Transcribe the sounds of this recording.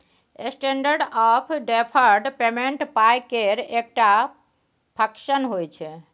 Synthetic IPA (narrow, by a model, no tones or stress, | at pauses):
esʈeɳɖəɾɖɔpʰɖepʰəɾɖpemeɳʈpajkeɾek̚ʈa | pʰəkʃənɦojt͡ʃʰɛ